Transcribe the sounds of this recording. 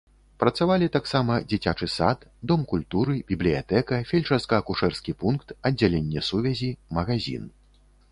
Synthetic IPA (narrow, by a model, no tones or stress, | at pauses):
pɾɐt̪savalʲit̪aksamɐd͡zʲit͡sʲat͡ʂɨsat̪d̪ɔmkulʲt̪uɾɨbʲiblʲija̰t̪ɛkɐfʲɛlʲʂɐskɐːkuʂɛrskʲipunkt̪ɐd͡zʲːalʲenʲːɛsuvʲɛzʲimɐɣazʲḭn